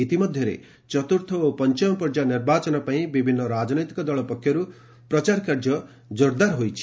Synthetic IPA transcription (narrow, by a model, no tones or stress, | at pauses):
it̪imɔd̪ʱjɔɾḛ | t͡ʃɔt̪uɾt̪ʰɔopɔnt͡ʃɔmɔpɔɾd͡ʒaniɾbat͡ʃɔnɔpaĩbibʱinːɔɾad͡ʒɔnojt̪ikɔd̪ɔɭɔpɔkʰːjɔɾu | pɾɔt͡ʃaɾkaɾd͡ʒɔ | d͡ʒoɾd̪aɾɦojt͡ʃʰi̥